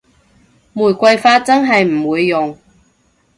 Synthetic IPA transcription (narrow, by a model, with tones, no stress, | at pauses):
muː˨˩jkʷɐ˧jfaː˧t̚t͡sɐ˥nɦɐ˨jm̩˨˩wuː˨˧jːʊ˨ŋ